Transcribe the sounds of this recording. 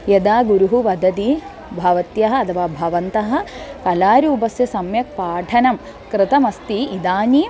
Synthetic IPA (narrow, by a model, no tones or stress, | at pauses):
jɐd̪aːɡuɾuɦuʋɐd̪ɐt̪i | bʱɐʋɐt̪jɐɦɐ̆ɐt̪ʰɐʋaːbʱɐʋɐnt̪ɐɦɐ̆kɐlaːɾuːpɐsjɐsɐmjɐk̚paːʈʰɐnɐm | kɾɪt̪ɐmɐst̪iid̪aːni